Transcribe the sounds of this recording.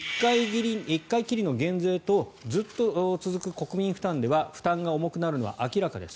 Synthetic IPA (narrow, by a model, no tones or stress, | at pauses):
kːaiɡiɾʲiikːaikʲiɾʲino̞ɡẽ̞nd͡ze̞ːt̪o̞d͡zɨt̪ːo̞t͡sɨzɨkɯ̟ko̞kɯ̟mʲĩɰ̃ɸɯ̟̥t̪ãnd̪e̞βaɸɯ̟̥t̪ãŋɡaomo̞kɯ̟naɾɯ̟no̞βa̰ʔakʲiɾakad̪e̞sɨ̥